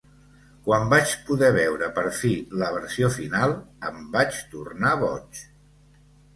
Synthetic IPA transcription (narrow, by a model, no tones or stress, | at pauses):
kwambat͡ʃpuðɛβɛwɾəpəɾfiləβ̞əɾsiofinalˠəmbat͡ʃt̪urnaβɔ̰t͡ʃ